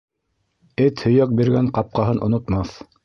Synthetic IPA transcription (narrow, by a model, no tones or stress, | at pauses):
ɘt̪hɵ̆jæk̚biɾɡæɴqɑp̚qɑɦɤnʔŏnŏt̪mɑθ